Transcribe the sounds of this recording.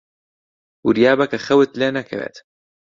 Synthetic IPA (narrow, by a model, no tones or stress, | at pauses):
wɪɾijaːbakaxawɪt̪leːnakḛbḛt̪